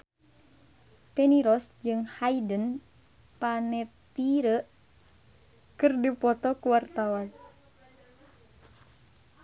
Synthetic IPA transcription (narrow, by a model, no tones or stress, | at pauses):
pɛniɾɔsd͡ʒɨŋhaidən | panɛt̪iɾəʔ | kɨrdipɔt̪ɔkuwart̪awan